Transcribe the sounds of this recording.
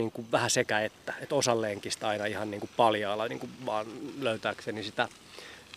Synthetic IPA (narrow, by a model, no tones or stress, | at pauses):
iːŋkuʋʋæhæsekæet̪ːæet̪osɑlːeŋkist̪ɑinɑihɑnniːŋkuppɑljɑːlːɑnḭːŋkuʋʋɑːnløyt̪æːksenisit̪æ